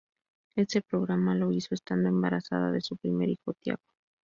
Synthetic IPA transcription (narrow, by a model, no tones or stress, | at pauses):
e̞se̞pɾo̞ɣɾamalo̞iso̞est̪and̪o̞e̞mbaɾasa̰ð̞a̰ðe̞supɾime̞̰ɾixo̞t̪ja̰ɣo